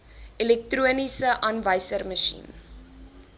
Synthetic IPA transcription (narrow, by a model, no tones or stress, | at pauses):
ʔilɛk̚truənisəʔɐnvəjsərməʃḭn